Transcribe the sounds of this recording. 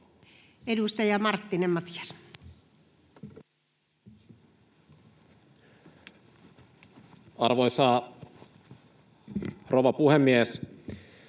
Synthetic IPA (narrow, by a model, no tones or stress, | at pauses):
edust̪ɑjɑmɑrt̪ːinemmɑt̪jɑs | ɑrʋo̞jsɑː | rʔoʋɑpuhemːies